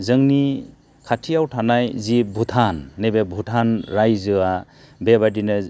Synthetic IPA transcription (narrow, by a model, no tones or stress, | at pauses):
zɯŋni | kʰatʰijawtʰanajzibʱutʰanːebebʱutʰanɾajzɯa | bebadinɯ